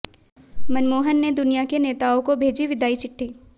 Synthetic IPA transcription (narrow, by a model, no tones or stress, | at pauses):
mɐnmoːɦənːed̪ʊnijakeneːt̪aːõkobʱeːd͡ʒiʋɪd̪ʱaːit͡ʃɪʈʰːiː